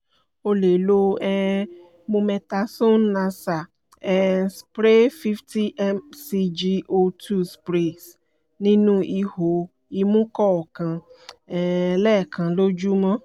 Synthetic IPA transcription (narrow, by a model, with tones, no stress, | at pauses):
o˧le˨lo˧˦ɛ˦ | mũ˧mɛ˧ta˧so˦nːã˧sa˨ | ɛ˨˦spɾe˦fi˦fti˦ʔɛ˦msi˧d͡ʒi˧ʔo˧tʰu˦spɾe˨s | nĩ˦nũ˦ʔi˧ho˨ | i˧mũ˦kɔ˦ɔ˨kã˨˧ | lɛ˦˨kʰã˨lo˦d͡ʒu˦mɔ̃˦